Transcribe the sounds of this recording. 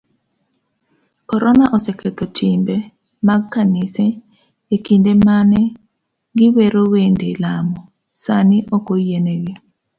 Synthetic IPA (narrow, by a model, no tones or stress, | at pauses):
kɔɾɔnaʔɔsɛkʰet̪ɔtʰimbɛ | maɡkːanɪsɛ | ekindemanɛ | ɡɪweɾowendelamɔ | sanɪʔokojeneɡɪ